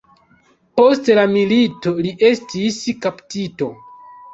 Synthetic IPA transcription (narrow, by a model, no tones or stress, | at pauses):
po̞stlamilito̞liʔe̞stiskaptito̞